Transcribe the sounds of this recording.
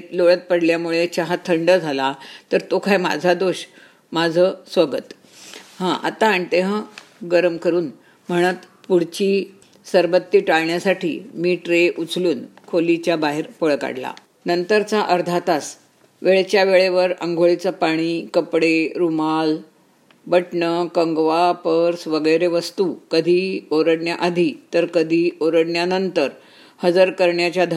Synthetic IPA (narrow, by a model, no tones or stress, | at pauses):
t̪loɭət̪̚pəɽljamuɭet͡ɕaɦat̪ʰəɳɖəd͡zʱalat̪əɾt̪okajma̰d͡zʱad̪oɕ | mad͡zʱəːsʋəɡət̪ | hãʔa̰t̪aːɳ̃it̪eɦã | ɡəɾmkəɾuːn | m̤əɽ̃ət̪puɽ̤t͡ɕiː | səɾʋət̪ːiːʈaɭɳjasaʈʰḭːmiːʈɾeʔut͡sluːnkʰolit͡ɕjabaɦeɾpoɭka̰ɽla̰ | nənt̪əɾt͡saʔəɾd̪ʱat̪as | ʋeɭet͡ɕjaʋeɭeʋəɾə̰ŋɡʱoɭit͡səpaɽ̃ikəpɽeɾumal | bəʈɳəkəŋɡʋapəɾsʋəɡəjɾeʋəst̪ukəd̪ʱiːoɾəɽɳjaʔad̪ʱiːt̪əɾkəd̪ʱiːoɾəɽɳjanənt̪əɾ | həd͡zəɾkəɾɳjat͡ɕjad̪ʱ